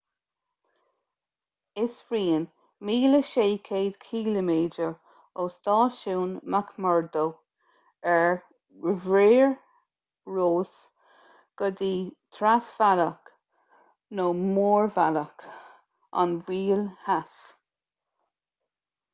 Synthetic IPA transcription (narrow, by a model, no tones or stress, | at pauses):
ɪsfɹiːən | miːləʃeːkʰeːd̪̥kʰiːləmeːdəɹ | oːst̪ɑːʃuːnmakʰmɔɹd̪ow | ɛɹ | əvɹeːɹ | ɹoːs | ɡ̥əd̪iːt̪ʰɾasv̥alək | noːmoːɹvaləkʰ | a̰nwiːlhas